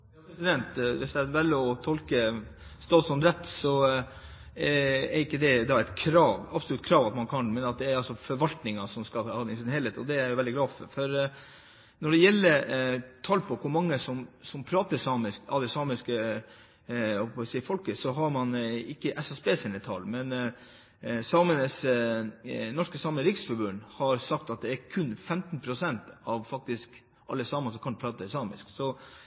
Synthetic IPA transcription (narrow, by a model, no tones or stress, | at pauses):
jɑːpʰɾɛsɪd̪ɛnt̪ʋɪsd̪ɛæʋælːəɔt̪ʰɔlkəst̪ɑːt̪sɔnt̪ɾɛt̪ːsɔ | æɾɪkːəd̪ɛd̪ɑæɪt̪kʰɾɑːʋɑbslʉt̪ːkʰɾɑːʋɑt̪mɑnkʰɑnmɛnɑt̪̚d̪ɛæɾɑlsɔfɔɾʋɑlt̪nɪŋɑsɔmskɑlhɑːd̪ɪsɪnhɛːlheːt̪ɔd̪ɛæɾjʊʋɛld̪ɪɡlɑːfɔɾfɔɾ | nɔɖɛjɛlːəɾt̪ʰɑːlpʰɔkʰʊɾmɑŋːəsɔmsɔmpʰɾɑːt̪əsɑːmɪskɑ̰ʋd̪ɛsɑːmɪskə | ɔpɔsifɔlkəsɔɦɑɾmɑnɪkːəʔɛsɑsbeːsɪnət̪ʰɑ̰lmɛn | sɑːmənəs | nɔʂkəsɑːməəɾɪksfɔɾbʉnhɑɾsɑk̚t̪ɑt̪̚d̪ɛæɾkʰʉnːfɛmt̪npʰɾʊsɛnt̪ɑʋfɑk̚t̪ɪsk | ʔɑlːəsɑːmɑsɔkʰɑnd̪pʰɾɑːt̪əɪsɑːmɪ̰sksɔ